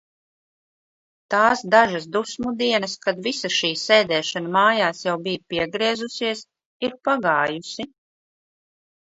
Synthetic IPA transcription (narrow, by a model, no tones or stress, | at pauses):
t̪aːsd̪aʒas̬d̪usmud̪iɛnɐskad̪visaʃiːɛːd̪ɛːʃanamaːjaːsjawbijpiɛɡɾiɛzusiɛs | iɾpaɡaːjusi